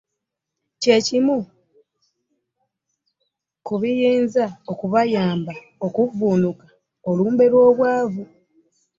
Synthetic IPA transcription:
ce̞cimu | kuβijiːnzao̞kuβajaːmba | o̞kuvuːnukḁ | o̞luːmbe̞ɾwo̞ːβwaːvu

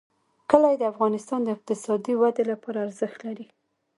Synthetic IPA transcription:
kəlajed̪əafɣɑnɪst̪ɑnd̪əɪq̚t̪ɪsɑd̪iwad̪elapɑɾaːɾzəxt̪laɾi

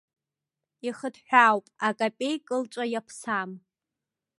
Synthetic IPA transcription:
iχədħʷᶣawpʼakʼapʲʼe̞jkʼɨlt͡ʃʷʼajapʰsam

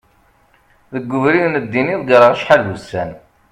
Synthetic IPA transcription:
ðəɡːʊvɾiðnəd̪ːiniðˤɡəɾəʁʃħalðusæn

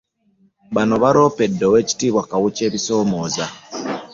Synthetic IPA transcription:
βano̞βaɾo̞pe̞dːowe̞ːci̥tiβwakawuce̞ːβiso̞ːmo̞ːza

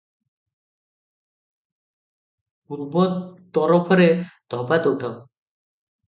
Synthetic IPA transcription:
puɾbɔt̪ːɔɾɔpʰɔɾed̪̥ʱɔbat̪uwʈʰɔ

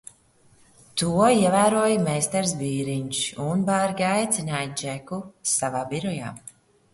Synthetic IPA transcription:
t̪uɔiɛvæːɾuɔjmɛjst̪ɛɾs̬biːɾiɲʃunbaɾɡajt̪sʲinaːjd͡ʒɛkusavaːbiɾɔja̰ː

